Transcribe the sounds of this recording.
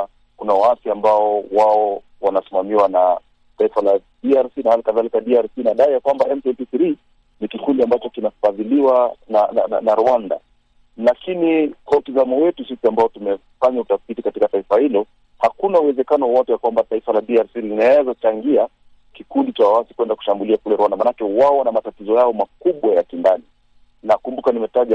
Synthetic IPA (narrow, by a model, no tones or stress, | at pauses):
kunawaafjaːmbaɔwaɔ | wanasimamiwana | taifala | diaɾsinahalikaðalikaɗiaɾsinaɗaijakwambaɛmtɛpiθɾi | nikikundiambat͡ʃɔkinafaðiliwanana̰na̰naɾuanda̰ | lakinikwautizamɔwɛtusisiambaɔtumɛ | faɲautafitikatikataifahilɔ | hakunauwɛzɛkanɔwawatujakwambataifalaɗiaɾsilinaɛzat͡ʃaŋɡia | kikundit͡ʃawawasikwɛndaku̥ʃambuliakulɛɾuwandamaːnakɛwaɔnamatatizɔjaɔmakuɓwajakindani | nakumbukanimɛtaʄa